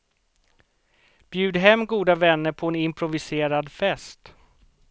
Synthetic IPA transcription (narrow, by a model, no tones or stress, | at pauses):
b̥jʉ̟ːd̪ɦɛmːɡuːd̪avɛnːəɾpʰɔɛnɪmpʰɾʊvɪseːɾad̪fɛst̪